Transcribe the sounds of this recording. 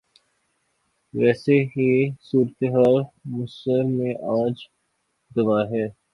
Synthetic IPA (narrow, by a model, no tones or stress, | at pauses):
ʋɛːseɦisuːɾət̪eɦaːlmʊsəɾmẽʔaːd͡ʒ | ɡ̪ɐʋaːɦɛː